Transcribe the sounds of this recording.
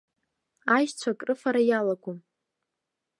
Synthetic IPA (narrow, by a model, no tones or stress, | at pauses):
ajt͡ɕʷʰakʼrɨfaɾajalaɡʷum